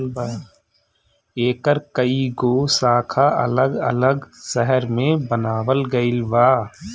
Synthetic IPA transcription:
eːkəɾkəiɡoːsaːkʰaʔə̰ləɡə̰ləɡsɛɦəɾmẽbənaːwəlɡəɪlʋaː

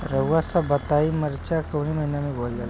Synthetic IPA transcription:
ɾəʋasabət̪aiməɾt͡ɕakəʋɽiməɦinamibold͡za̰l

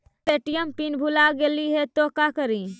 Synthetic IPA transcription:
eʈijəmpinbʱulaɡeliɦet̪okakəɾi

